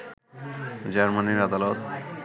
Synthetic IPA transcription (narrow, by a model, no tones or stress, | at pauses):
d͡ʑaɾmaniɾad̪alɔt̪